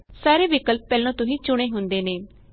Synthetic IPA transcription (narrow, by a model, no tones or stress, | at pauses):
saːɾeːʋɪkəlp̚ːɛːlõːt̪ʊɦĩːt͡ʃʊɽ̃eːɦʊnd̪eːneː